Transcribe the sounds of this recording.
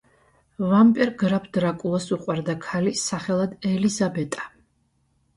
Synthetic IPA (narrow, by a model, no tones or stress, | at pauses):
vampʼɛɾɡɾapʰd̪̥ɾakʼulˠasuqʼwaɾd̪akʰalisaχɛlˠad̪ɛlizabɛt̪ʼḁ